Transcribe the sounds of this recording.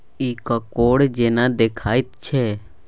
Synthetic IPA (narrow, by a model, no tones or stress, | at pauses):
iːkakoːɽd͡ʒeːnãd̪eːkʰaːit̪t͡ʃʰɛː